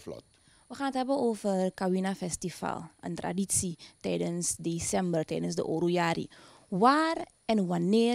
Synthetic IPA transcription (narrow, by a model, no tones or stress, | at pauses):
flɔ̰t | ʋəχaːnətɦɛbənoːfərkawinafɛstifa̰lˠʔə̰ntra̰ditsitɛjdənsdesɛmbərtɛ̰jdənsdə̰ʔoɾujaːɾḭ | waːr | ɛnʋanɪː